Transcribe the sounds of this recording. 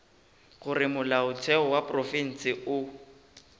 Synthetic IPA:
ɣʊrɪmʊlaʊtʰɛɔwapʼrɔfin̩sɪʊ

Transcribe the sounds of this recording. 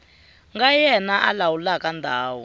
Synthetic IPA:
ŋɡajɛnaʔa̰lawulakandʱaːwɔ

